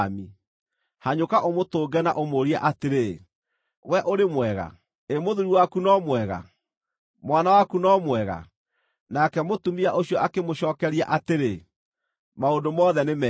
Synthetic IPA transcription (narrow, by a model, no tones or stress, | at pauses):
mi | haɲokaʔomotoːɡɛnaʔomoɾia̰ʔateɾe | wɛʔoɾemwɛɣa̰ | emoðuɾuwakunɔmwɛɣa̰ | mwanawakunɔmwɛɣa̰ | nakɛmotumiaʔoɕjɔʔakemoɕɔːkɛɾiaʔateɾe | maondomɔðɛnemɛ